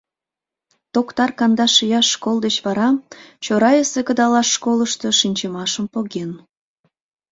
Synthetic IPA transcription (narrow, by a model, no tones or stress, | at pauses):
t̪okt̪ɑrkɑnd̪ɑʃijɑʃːkolˠd̪et͡ɕβɑɾɑt͡ɕoɾɑjəsekəd̪ɑlɑʃːkoləʃt̪o̽ʃinʲt͡ɕəmɑʃəmpoɣen